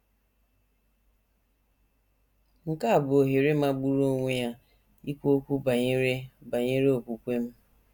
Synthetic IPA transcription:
ŋ̩˨ka˦a˨bʊ˨o˨ɦi˨ɾɪ˦ma˦ɡ͡bu˦ɾo˦ŋʷe˦ja˦ | i˦kʷo˦kʷu˦ba˨ɲe˦ɾe˦ba˨ɲe˦ɾe˦o˨kʷu˨kʷe˦m̩˦

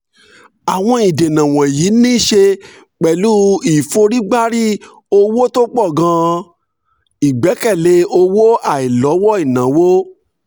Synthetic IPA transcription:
a˨w̃ɔ̃˧i˨de˨nã˨w̃ɔ̃˨jiː˨˦nĩ˦˨ʃe˧ | k͡pɛ˨lu˦i˨fo˧ɾi˦ɡ͡ba˦ɾi˦ | o˧wo˦to˦k͡pɔ˦˨ɡã˧ | i˨ɡ͡bɛ˨˦kɛ˦˨le˨˦o˧wo˦a˨i˨lɔ˨˦wɔ˦i˦˨nã˨˦wo˦

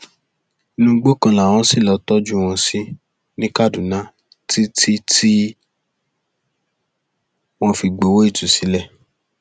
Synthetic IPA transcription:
i˧nũ˧ɡ͡bo˦kã˧la˨w̃ɔ̃˧˦si˦˨lɔ˨˧tɔ˦d͡ʒu˦w̃ɔ̃˧si˦ | nĩ˦ka˦˨du˨nã˨˦ | ti˦ti˦ti˦ | w̃ɔ̃˧fi˧ɡ͡bo˨wo˦i˦˨tu˨si˨˦lɛ˦˨

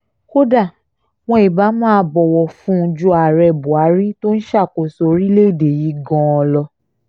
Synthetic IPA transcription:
ko˦da˦˨ | w̃ɔ̃˧i˨ba˨˦mãː˦˧˦bɔ˧wɔ˧fũ˦˧d͡ʒu˦a˨ɾɛ˧bu˨a˨˦ɾi˦to˦n̩˦ʃa˦˨ko˨so˨˦ɾi˦le˦˨de˨ji˨˦ɡɔ̃˧˦ɔ˧lɔ˧

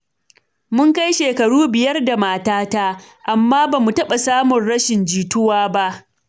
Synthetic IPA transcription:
mʊ˦ŋka˦jʃeː˨kɐ˨ɽuː˦bɪ˨jɐ˦rda˨maː˨taː˦taː˦ | ʔa˨mːaː˦baː˨mu˨tɐ˦ɓa˨saː˦mʊ˨nɽɐ˦ʃɪ˨nd͡ʒiː˨tʊ˦waː˦ba˦ʔ

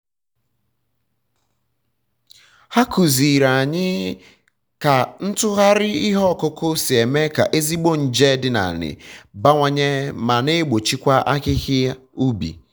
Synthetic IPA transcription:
ha˦ku˨zi˨ɾa˨ɲɪ˦ | ka˨n̩˦tʊ˦ɣa˦ɾɪ˦i˦ɦɔ˦˨kʊ˦kʊ˦si˨e˨me˦ka̰˨ʔe˦zi˦ɡ͡bo˦n̩˨d͡ʒe˦dɪ˨na̰˨nɪ̰˨ba˦ŋʷa˦ɲe˦ma˨ne˦ɡ͡bo˨t͡ʃi˦kʷa˦ʔa̰˦kɪ˦ɣɪ˦u˦bḭ˨

